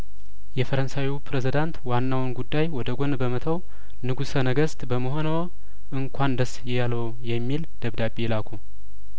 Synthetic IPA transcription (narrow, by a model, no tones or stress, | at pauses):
jɛfəɾənsawipʰɾezid̪ant̪wanːawnɡud̪ːajwɔd̪əɡonbəmət̪ʰəw | nɨɡusənəɡəst̪bəməɦo̞nəw | ʔɨŋkʷʰand̪əsjjaləw | jɛmːild̪̥əβd̪apʼːilakʷʰu